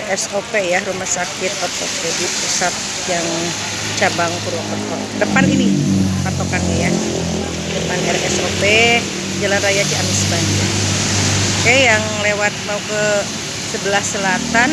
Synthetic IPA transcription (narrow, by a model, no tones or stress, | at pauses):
ɛsopejaɾumahsakɪt̪̚ot̪ɔk̚edipusat̪̚ | jaŋ | t͡ʃabaŋkuɾukat̪ɔ | dəpaninipat̪okaneja | dəpanɛrɛsope | d͡ʒalanrajad͡ʒiamisbaɲa | kajaŋlewat̪̚mokə | səbəlahsəlat̪an